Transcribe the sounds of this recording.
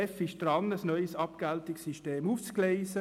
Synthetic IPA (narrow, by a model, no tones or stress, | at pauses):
ɛfɪʃd̥rɑnəsnœʏsɑpɡ̥æltɪksːiʃteːmuːft͡sklɛɪsə